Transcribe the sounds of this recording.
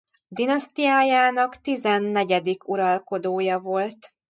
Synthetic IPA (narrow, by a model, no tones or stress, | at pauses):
d̪inɒst̪ijaːjaːnɒkt̪izɛnːɛɟɛd̪ikʰuɾɒlko̞d̪oːjɒvo̞lt̪